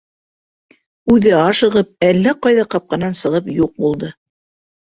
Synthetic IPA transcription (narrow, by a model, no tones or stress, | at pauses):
ʉðɘɑʃɤ̆ʁɤp̚ælːæqɑjðɑqɑp̚qɑnɑnsɤ̆ʁɤpjuq̚bulˠd̪ɤ